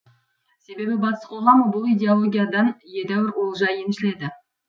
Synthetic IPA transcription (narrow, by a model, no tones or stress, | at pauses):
se̞be̞bɪbɑt̪ə̥sqolˠɑməbʊlˠijd̪ʲe̞olˠo̞ɡʲijad̪ɑnje̞d̪æwɪɾwo̞lˠʒɑjemʃɪle̞d̪ɪ